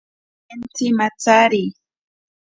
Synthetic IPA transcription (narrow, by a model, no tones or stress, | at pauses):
ent͡simat͡saɾi